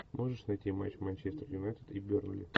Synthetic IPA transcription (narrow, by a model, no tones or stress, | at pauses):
mo̞ʐɨʂnɐjt̪ʲima̰t͡ɕmanʲt͡ɕest̪ərjʊnajt̪ʲɪt̪ibʲornʊ̰lʲɪ̰